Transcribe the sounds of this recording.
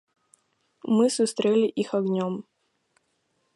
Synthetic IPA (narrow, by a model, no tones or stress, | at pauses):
mɨsʊst̪ɾʲelʲɪʔixɐɡnʲom